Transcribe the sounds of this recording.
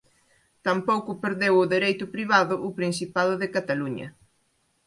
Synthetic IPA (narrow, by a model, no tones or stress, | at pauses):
t̪ampowkʊpeɾðewʊðeɾejt̪ʊpɾiβ̞aðʊʔʊpɾinsipaðʊðɪkat̪aluɲɐ̰